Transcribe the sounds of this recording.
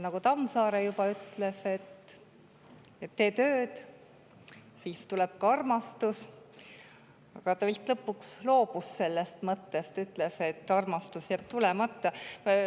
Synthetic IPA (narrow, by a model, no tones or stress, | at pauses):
nɑkut̪ɑmsɑːɾejubɑyt̪ˑlese̞t̪ː | et̪ːe̞ːt̪øːd̪̥ | siːft̪ulɛb̥̚kɑɑrmɑst̪us | ɑɡ̥ɑt̪ɑvilt̪ˑlɤpːˑukslo̞ːb̥usːe̞lːest̪mɤt̪ːe̞st̪yt̪ːˑlese̞t̪ːˑɑrmɑst̪usjæːb̥̚t̪ulɛmɑt̪ːɑ